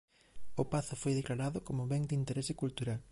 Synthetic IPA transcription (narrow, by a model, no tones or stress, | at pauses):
opaθʊfojðeklaɾaðʊkomʊβɛŋd̪int̪eɾɛsɪkult̪uɾal